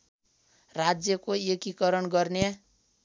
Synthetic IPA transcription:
rad͡zjʌkoekikʌɾʌnɡʌrna

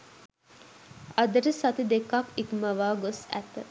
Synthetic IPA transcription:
ɐd̪əɾəsɐt̪id̪ekːakikumɐʋaːɡosæ̰t̪ə

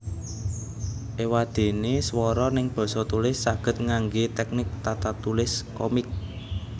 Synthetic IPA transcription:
ʔewad̪̥e̤neswɔɾɔnɪŋb̥ɔ̤sɔt̪ulɪsːaɡ̥ə̤t̪̚ŋaŋɡet̪ɛk̚nɪk̚t̪at̪at̪ulɪskɔmɪk̚

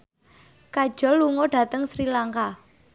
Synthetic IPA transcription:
kad̥ʒ̥ɔ̤lːuŋɔɖ̥a̤t̪əŋsɾilaŋka

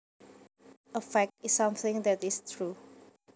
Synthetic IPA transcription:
əfɛk̚tɪsːãmθɪ̃ŋdɛtist̪ʰɹu

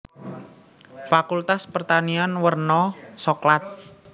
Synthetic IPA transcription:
fakult̪aspərt̪anianwərnɔsɔklat̪̚

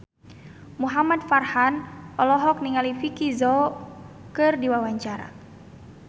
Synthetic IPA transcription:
muɦamad̪̚farhanʔɔlɔɦɔk̚niŋalifikizɔ | kɨrdiwawaɲt͡ʃaɾa̰

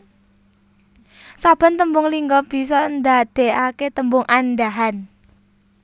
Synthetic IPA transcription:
sab̥ə̤nt̪əmbʊŋliŋɡɔb̥i̤s̬ɔnd̪aʔd̪̥e̤aket̪əmbʊŋʔanɖaɦan

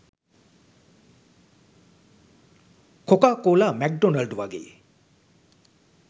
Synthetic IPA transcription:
kokaːkoːlaːmɛk̚ɖonɐlɖuʋaɡḛː

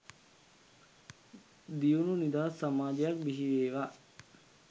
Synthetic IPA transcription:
d̪iununid̪aːsamaːd͡ʒejak̚biɦiʋeːʋa

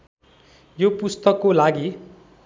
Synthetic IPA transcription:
jopust̪ʌkːolaɡi

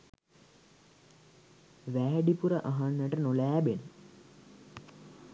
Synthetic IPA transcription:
ʋæːɖipuɾəʔaɦanːəʈənolæːbenə

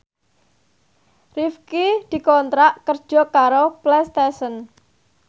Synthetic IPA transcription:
rifkid̪̥i̤kɔnt̪ɾaʔkərd̥ʒ̥ɔ̤kaɾoplɛst̪ɛsən

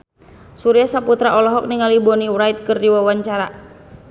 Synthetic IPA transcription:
suɾiasaput̪ɾaʔɔlɔɦɔk̚niŋalibɔniwɾajt̪̚kɨrdiwawaɲt͡ʃaɾa

